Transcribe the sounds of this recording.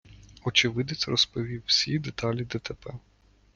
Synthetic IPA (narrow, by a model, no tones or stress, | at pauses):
ɔt͡ʃɪʋɪd̪ɪt͡sʲrɔspɔʋʲiwsʲid̪et̪ɑlʲid̪ɛt̪ɛpɛ